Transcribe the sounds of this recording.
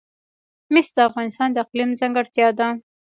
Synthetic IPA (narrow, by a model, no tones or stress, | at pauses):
mɪsd̪əafɣɑnɪst̪ɑnd̪əɪqlimzaŋɡaɽt̪jɑd̪a